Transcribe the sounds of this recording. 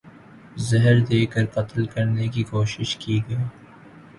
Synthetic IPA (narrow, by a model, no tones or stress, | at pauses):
zɐɦɾd̪eːkɐɾqɐt̪lkɐɾnekikoːʃɪʃkiːɡɐ